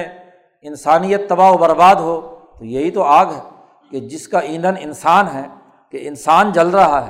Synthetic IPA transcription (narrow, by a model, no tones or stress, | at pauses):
ɪnsaːnijət̪ːɐbaːɦbɐɾbaːd̪ɦot̪ojɐɦit̪oaːɡɦɛ | ked͡ʒɪskaʔĩːnd̪ənɪnsaːnɦɛː | keɪnsaːnd͡ʒɐlɾɐɦaɦɛ